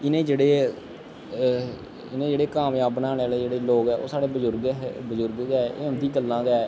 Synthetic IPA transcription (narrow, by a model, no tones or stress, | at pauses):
ɪnẽːd͡ʒeːɽeː | ɪnẽːd͡ʒeːɽeːkaːmjaːbnãːlɛːleːd͡ʒeːɽeːloːɡɛːʔo̰ːsaːɽeːbəd͡ʒʊɾɡbəd͡ʒʊɾɡɡɛːʔeːʊnd̪iːɡəlːãːɡɛː